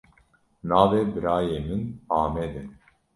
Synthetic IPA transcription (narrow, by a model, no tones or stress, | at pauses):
naːvɛbɨɾaːjeːmɨnaːmɛd̪ɛ